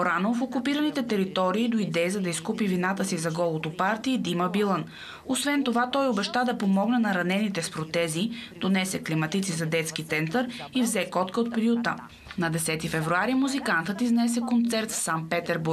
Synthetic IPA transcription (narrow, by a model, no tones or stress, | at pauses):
oɾanofokupiɾənit̪ɛt̪ɛɾit̪ɔɾiːd̪oid̪ɛizɐd̪ɐiskupivinat̪əsizɐɡɔlˠot̪opaɾt̪iɛd̪imɐbilˠən | osvɛnt̪ovat̪ɔjobɛʃt̪ad̪ɐpomɔɡnənɐɾɐnɛnit̪ɛspɾot̪ɛzid̪̥onɛsɛklimɐt̪it̪sizɐd̪ɛt̪sk̟it̪sɛnt̪əɾivzɛkɔt̪kəot̪̚pɾiut̪ə̰ | nɐd̪ɛsɛt̪ifɛvɾuaɾimuzikant̪ət̪iznɛs̬ɛkont̪sɛɾt̪ssan̚pɛt̪ɛɾbuɾ